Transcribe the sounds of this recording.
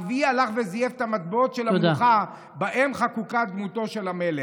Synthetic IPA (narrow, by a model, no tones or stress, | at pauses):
vialaχvezijeftamat̪beotʃelamuχa | baʔemχakukat̪̚d̪muto̞ʃelamele